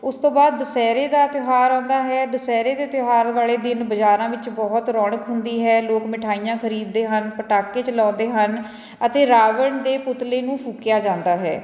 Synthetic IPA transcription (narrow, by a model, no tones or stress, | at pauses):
ʊst̪õːbaːd̪̚ːəsɛːɾeːd̪aːt̪joɦaːɾɔ̃ːnd̪aːɦɛːd̪əsɛːɾeːd̪eːt̪ɪoɦaːɾʋaːleːd̪ɪnbəd͡ʒaːɾãːʋɪt͡ʃbɔːt̪ɾɔːɳəkɦʊnd̪iːɦɛːloːkmɪʈʰaːijãːkʰəɾiːd̪ːeːɦənpəʈaːkːeːt͡ʃəlɔ̃ːnd̪eːɦən | ət̪eːɾaːʋəɳd̪eːpʊt̪leːnũːpʰuːkjaːd͡ʒãːnd̪aːɦɛ̰ː